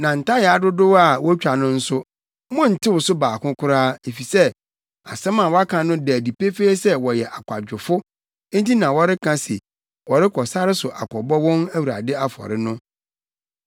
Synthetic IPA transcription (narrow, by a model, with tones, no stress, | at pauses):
nã˨n̩˨tʰa˦jɛ˨a˨˦dʊ˦dʊ˦wa˨wɔ˦t͡ɕᶣa˨nʊ̃˦n̩˦sʊ˦ | mʊ̃˦n̩˨tʰɪ˦wʊ˨sʊ˦baː˨kʰʊ̃˦kʰʊ˦ɾaː˦e˨fi˨sɛ˦ | a̰˨sɛ̃˦mã˨wɔ˦a˦kʰã˨nʊ̃˦dæ˨di˨pʰe˦feː˦sɛ˦wɔ˨jɛ˨ʔa˨kʷʰa˨d͡ʑᶣʊ˨fʊ˦ | ti˦nã˨wɔ˦ɾɪ˦kʰã˦sɛ˨ | wɔ˨ɾɪ˦kʰɔ˨sa˦ɾɪ˦sʊ˨ʔa˨kʰɔ˨bɔ˦wɔ̃˦næ˦wu˨ɾa̰˨dɪ˦a˦fɔ̰˨ɾɪ˦nʊ̃˦